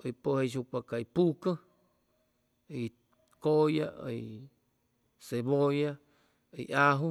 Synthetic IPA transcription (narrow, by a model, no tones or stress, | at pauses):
ipoeʃ̬ukʷakaipukə | i | koja̰i | seβoja | ḭʔaɦu